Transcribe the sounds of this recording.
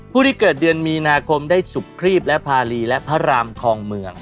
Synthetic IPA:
pʰuː˥˩iː˥˩kɤː˨˩t̪̚dɯ˧ənmiː˧naː˧kʰo˧mdaː˥˩jsu˨˩kʰːɾiː˥˩p̚lɛ˦˥ʔpʰaː˧liː˧lɛ˦˥pʰa˦˥ɾaː˧mkʰɔː˧ŋmɯ˧əŋ

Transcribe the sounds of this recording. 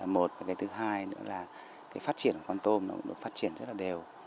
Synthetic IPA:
aː˨˩mo˨˩t̚vaː˨˩kaː˨˦jt̪ʰɨ˨˦ɦaː˧jnɨ̰˧˥əlaː˨˩ | kaː˨˦jfaː˦˥t̚t͡ɕi˧˩ənkːə˧˩kɔ˧nt̪o˧mnɔ˨˦˥kʊ̰˧˥ɗɨ̰˨˧˨kŋ͡mfaː˦˥t̚t͡ɕi˧˩ənzə˦˥t̚laː˨˩ɗe˨˩w

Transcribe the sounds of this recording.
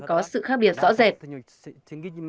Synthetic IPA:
kɔ˨˦sɨ̰˧˨xaː˦˥k̚ɓi˨˩ət̚zɔ̰˧˥zɛ˨˩t̚

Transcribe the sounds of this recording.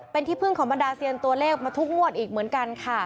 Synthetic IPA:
pe˧nt̪ʰiː˥˩pʰɯ˥˩ŋkʰɔː˩˦mba˧ndaː˧si˧ənt̪u˧ɐleː˥˩k̚maː˧t̪ʰu˦˥k̚mu˥˩ət̪̚ʔiː˨˩k̚mɯ˩˦ənka˧nkʰa˥˩

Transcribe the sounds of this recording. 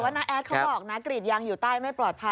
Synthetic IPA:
waː˥˩na˦˥ʔɛː˦˥t̪̚kʰa˦˥wʔɔː˨˩k̚na˦˥kɾi˨˩t̪̚jaː˧ŋjuː˨˩t̪aː˥˩jma˥˩pɾɔː˨˩t̪̚pʰa˧

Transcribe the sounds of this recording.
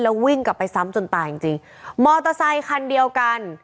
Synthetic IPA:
lɛː˦˥wwi˥˩ŋka˨˩pːa˧jsa˦˥mt͡ɕo˧˩nt̪aː˨˧˩i˨˩ŋt͡ɕi˧ŋ | mɔː˧t̪a˧sa˧jkʰa˧ndi˧əwka˧n

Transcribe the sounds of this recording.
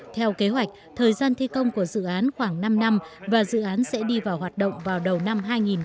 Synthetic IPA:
t̪ʰɛ˧wke˨˦ɦwa˨˩jk̟̚t̪ʰəː˨˩jzaː˧nt̪ʰi˧kə˧wŋ͡mku˧˩əzɨ̰˧˨ʔaː˨˦nxwaː˧˩ŋna˧mna˧mvaː˨˩zɨ̰˧˨ʔaː˨˦nsɛ̰˧˥ɗi˧vaː˨˩whɦaː˨˩t̚ɗə̰˧˨wŋ͡mvaː˨˩wɗə˨˩wna˧mɦaː˧jŋi˨˩n

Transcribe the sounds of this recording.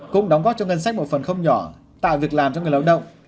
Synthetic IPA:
kʊ̰˧˥ŋ͡mɗa˨˦wŋ͡mɣɔː˦˥t̚t͡ɕɔ˧ŋə˧nsa˦˥k̚mo˨˩fə˨˩nxə˧wŋ͡mɲɔ˧˩˦ | t̪a̰ː˧˨jvi˨˩ək̚laː˨˩mt͡ɕɔ˧ŋ˨ə˩la̰˧˩ɗə̰˧˨wŋ͡m

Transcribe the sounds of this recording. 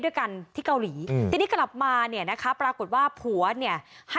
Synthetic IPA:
du˥˩jka˧nt̪ʰiː˥˩ka˧wliː˩˦iː˧niː˦˥kla˨˩p̚maː˧ni˥˩ɐna˦˥kʰa˦˥pɾaː˧ko˨˩t̪̚waː˥˩pʰu˩˦ɐni˥˩ɐha˥˩

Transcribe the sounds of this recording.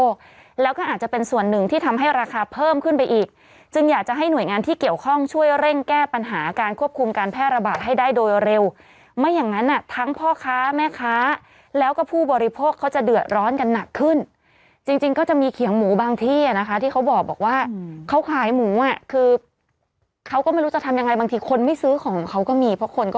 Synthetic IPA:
k̚ | lɛː˦˥wkɔː˥˩ʔaː˨˩t̪̚t͡ɕa˨˩pe˧nsu˨˩ənːɯ˨˩ŋt̪ʰiː˥t̪ʰa˧mɦa˥˩jɾaː˧kʰaː˧pʰɤː˥˩mkʰɯ˥˩npa˧jʔiː˨˩k̚ | t͡ɕɯ˧ŋjaː˨˩k̚t͡ɕa˨˩ɦa˥˩jnu˨˩əjŋaː˧nt̪ʰiː˥˩ki˨˩əwkʰɔ˥˩ŋt͡ɕʰu˥˩əjɾe˥˩ŋkɛː˥˩pa˧nɦaː˩˦kaː˧nkʰu˥˩əp̚kʰu˧mkaː˧npʰɛː˥˩t̪̚ɾa˧baː˨˩t̪̚ɦa˥˩jdaː˥˩jdoː˧jɾe˧w | ma˦˥˨jːa˨˩ŋa˦˥nʔa˨˩t̪ʰa˦˥ŋpʰɔː˥˩kʰaː˦˥mɛː˥˩kʰaː˦˥ | lɛː˦˥wkɔː˥˩pʰuː˥˩bɔː˧ɾi˧pʰoː˥˩kʰːa˦˥wt͡ɕa˨˩dɯ˨˩ət̪̚ɾɔː˦˥nka˧nːa˨˩kʰːɯ˥˩n | t͡ɕi˧ŋt͡ɕi˧ŋkɔː˥˩t͡ɕa˨˩ʔmiː˧kʰi˨˩˦əŋmuː˩˦baː˧ŋt̪ʰiː˥˩a˨˩na˦˥kʰa˦˥t̪ʰiː˥˩kʰa˦˥wbɔː˨˩k̚bɔː˨˩k̚waː˥˩kʰa˦˥wkʰaː˨˩˦jmuː˩˦ʔa˨˩kʰɯː˧ | kʰa˦˥wkɔː˥˩ma˥˩jɾu˦˥t͡ɕa˨˩t̪ʰmja˧ŋːa˧jba˧ŋt̪ʰiː˧kʰo˧nma˥˩jsɯː˦˥kʰɔː˩˦ŋkʰa˦˥wkɔː˥˩miː˧pʰɾɔ˦˥kʰo˧nkɔ˥˩

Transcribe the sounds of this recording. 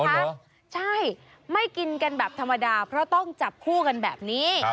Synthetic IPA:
t͡ɕʰa˥˩j | ma˥˩jki˧nka˧nbɛː˨˩p̚t̪ʰa˧mːa˧daː˧pʰɾɔ˦˥t̪ɔ˥˩ŋt͡ɕa˨˩p̚kʰuː˥˩ka˧nbɛː˨˩p̚niː˦˥

